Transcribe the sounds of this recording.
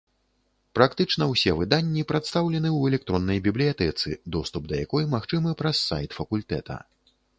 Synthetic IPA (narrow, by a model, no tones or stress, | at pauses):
pɾakt̪ɨt͡ʂn̪ɐwsʲɛvɨd̪anʲːipɾat̪st̪awlʲɛnɨwɛlʲɛk̚t̪ɾɔnːɐjbʲiblʲijat̪ɛt̪sɨ̰d̪ɔst̪up̚d̪ɐjakɔjmaxt͡ʂɨmɨpɾɐsːa̰jt̪fɐkulʲt̪ɛ̰t̪ʰɐ̰